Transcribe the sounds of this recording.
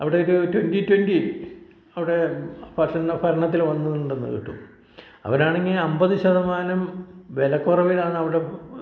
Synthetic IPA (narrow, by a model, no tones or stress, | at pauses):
ɐʋiɽe̞oɾutwenditwendi | ɐʋiɽe̞pɐɾɐnːɐpʰɐɾɐɳɐt̪ːilʋɐnːuneɳɖɨnːḛɣḭʈːṵm | ɐ̰ʋɐɾaːɳeŋːilɐmbɐðɨɕɐðɐmaːnɐmʋelɐkːurɐʋilaːɳɨɐʋiɽe̞